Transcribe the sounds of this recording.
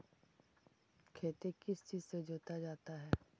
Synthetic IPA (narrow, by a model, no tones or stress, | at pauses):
kʰeːt̪ekɪst͡ʃiːzsed͡ʒoːt̪ad͡ʒaːt̪aɦɛː